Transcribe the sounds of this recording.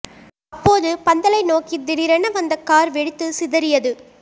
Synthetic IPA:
ɐpːoːðɯpɐnd̪ɐlɐɪnoːkid̪ɪɽɪɾɐnɐʋɐnd̪ɐkːaːɾʋɛɽɯt̪ːɯsɪðɐɾɪjɐðɯ

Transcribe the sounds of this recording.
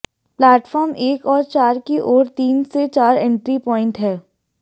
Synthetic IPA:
plɛːʈfɔːɾmeːkɔːɾt͡ʃaːɾkiʔoːɾt̪iːnset͡ʃaːɾɛ̃ɳʈɾipɔːɪ̃ɳʈɦɛː

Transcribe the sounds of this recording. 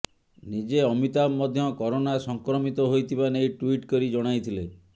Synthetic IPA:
nid͡ʒeɔmit̪amːɔd̪ʱjɔkɔɾonasɔŋkɾɔmit̪ɔɦojt̪ʰibanejʈwiʈkɔɾid͡ʒɔɽ̃ajt̪ʰile

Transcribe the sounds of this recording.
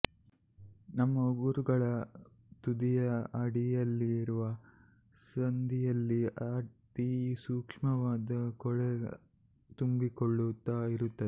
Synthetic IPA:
nɐmːɐɡuɾuɡɐɭɐ | t̪ud̪ijɐɐɽijɐlːiːɾuʋɐ | sɐnd̪ijɐlːiɐt̪isuːkʂmɐʋaːd̪ɐkɔɭe | t̪umbikoɭːut̪aiɾut̪ːɐd̪e

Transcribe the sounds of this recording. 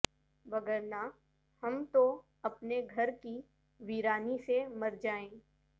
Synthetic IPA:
ʋɐɡəɾna | hɐmt̪o | ɐpneɡʱɐɾki | ʋiːɾaːnisemɐɾd͡ʒaːẽː

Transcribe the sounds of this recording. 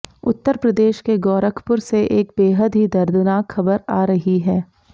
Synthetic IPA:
ʊt̪ːəɾpɾɐd̪eːʃkeɡɔːɾəkʰpʊɾseʔeːk̚beːɦəd̪ɦid̪ɐɾd̪naːkxɐbəɾaːɾɐɦiɦɛː

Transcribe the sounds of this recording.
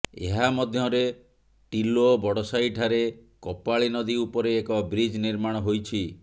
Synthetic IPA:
ḛɦamɔd̪ʱjɔɾe | ʈilobɔɽɔsaiʈʰaɾekɔpaɭinɔd̪iupɔɾeːkɔbɾid͡ʒniɾmaɽ̃ɔɦojt͡ʃʰi

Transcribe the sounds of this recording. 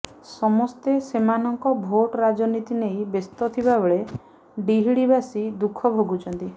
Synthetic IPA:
sɔmɔst̪esemanɔŋkɔbʱoʈɾad͡ʒɔnit̪inejbest̪ɔt̪ʰibabeɭe | ɖiɦiɽibasid̪ukʰɔbʱoɡut͡ʃʰɔnt̪i

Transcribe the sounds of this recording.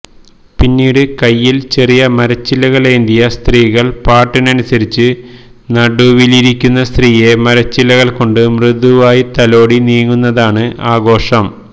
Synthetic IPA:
pinːiːɽɨkɐjːilt͡ɕe̞rijɐmɐɾɐt͡ɕːilːɐɣɐɭend̪ijɐst̪riːɣɐɭpaːʈːinɐnusɐɾit͡ɕːɨnɐɽuːʋiliɾikʲːunːɐst̪riːje̞mɐɾɐt͡ɕːilːɐɣɐɭko̞ɳɖɨmrɨðuʋaːjit̪ɐlo̞ːɽiniːŋːunːɐðaːɳɨʔaːɡo̞ːʂɐm

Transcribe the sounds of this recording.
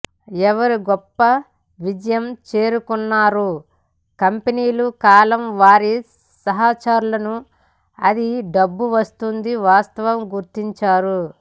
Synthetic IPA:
ɛʋɐɾiɡɔpːɐ | ʋid͡ʒɐjɐmt͡ʃe̞ːɾukunːaːɾu | kɐmpeniːlukaːlɐmʋaːɾi | sɐɦaːt͡ʃaːɾulɐnu | ɐ̰d̪iɖɐbːuʋɐst̪und̪iʋaːst̪ɐʋɐmɡuɾt̪iɲt͡ʃaːɾu

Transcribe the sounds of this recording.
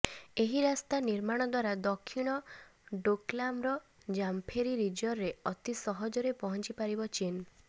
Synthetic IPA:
eɦiɾast̪aniɾmaɽ̃ɔd̪waɾad̪ɔkʰːiɽ̃ɔɖoklamɾɔ | d͡ʒampʰeɾiɾid͡ʒɔɾːeɔt̪isɔɦɔd͡ʒɔɾepɔɦɔnt͡ʃipaɾibɔt͡ʃin

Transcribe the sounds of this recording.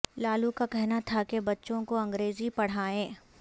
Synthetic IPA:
laːlukakɛɦnat̪ʰakebɐtːʃõkoɐ̃ŋɡɾeːzipɐɽ̤aːẽː

